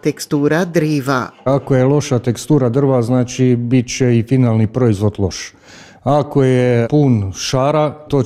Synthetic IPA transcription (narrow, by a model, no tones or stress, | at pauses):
t̪ekst̪uːɾad̪ɾiːʋa̰akojelo̞ʃat̪ekst̪uːɾad̪r̩ʋaznaːt͡ʃibit͡ɕeifinaːlnipɾo̞izʋo̞d̪lˠo̞ʃ | ako̞jepuːnʃaːɾat̪oː